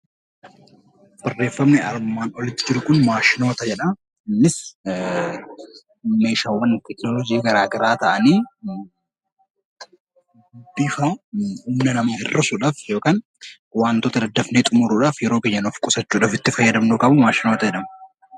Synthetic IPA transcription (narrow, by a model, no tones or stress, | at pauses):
b̥ɐrːe̞ːfːɐmnɪɐɾmaːnɔlɪt̪ːɪd͡ʒɪɾʊkʊnmaːʃɪno̞ːt̪ɐd͡ʒɛᶑɐ | ɪnːɪs | me̞ːʃaːwːɐnt̪ɛknɔlɔd͡ʒiːɡɐɾaːɡɐɾaːt̪ɐʔɐniː | bɪfɐuːmnɐnɐmaːhɪrːɐsuᶑaːfjo̞ːkaːn | waːnt̪ot̪ɐd̪ɐd̪ːɐfneːt̪ʼʊmʊɾuːᶑaːfjɛɾoːkeɲːɐnɔfkʼʊsɐt͡ʃːuːᶑaːfɪt̪ːɪfɐjːɐd̪ɐmnoːkʼɐbʊmaːʃɪnoːt̪ɐd͡ʒɛᶑɐmɐ